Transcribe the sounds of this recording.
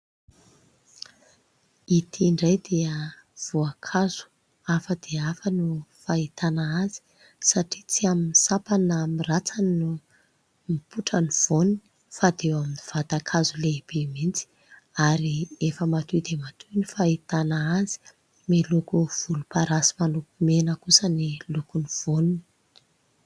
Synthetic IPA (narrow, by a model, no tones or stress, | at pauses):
it̪ʰiɳɖ͡ʐajd̪eəv̥uakʰaz̥u̥ | afəd̪eafənufait̪anaazi̥ | saʈ͡ʂit͡siaminisapanamirat͡sannu | mipuʈ͡ʂəniv̥oni | fad̪ewaminiv̥at̪akʰazuleb̥emint͡si̥ | aɾiefəmat̪ud̪emat̪ʰunifait̪anaazi̥ | melukuv̥ulupaɾasi̥manukumenəkusənilukuniv̥onini̥